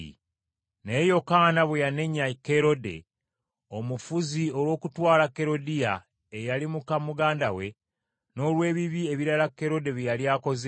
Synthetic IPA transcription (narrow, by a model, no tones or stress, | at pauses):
nejo̞kaːnaβwejane̞ɲake̞ɾo̞de̞̰ | omufuzio̞lwo̞ːkutwaːlakːe̞ɾo̞dija | ejalimukamuɡaːndawe̞ | no̞ːlwe̞ːβiβie̞βiɾalakːe̞ɾo̞de̞βijalijaːko̞z